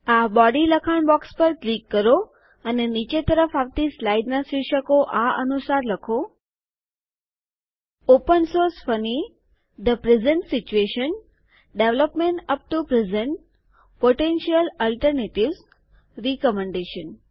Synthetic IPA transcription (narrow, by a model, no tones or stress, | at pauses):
abɔɖiləkʰanbɔkspəɾʈlikːəɾo | ənenit͡ʃet̪əɾəfaʋt̪islaiɖnasiʃəkoʔaə̰nusaɾləkʰo | opənsoɾsfəni | d̪əpɾɛzəɳʈsit͡ʃueʃən | ɖeʋləpmeɳʈəp̚ʈupɾɪzə̃ɳʈ | poʈenʃiələlʈəɾneʈiʋz | ɾikəmẽɳɖeʃən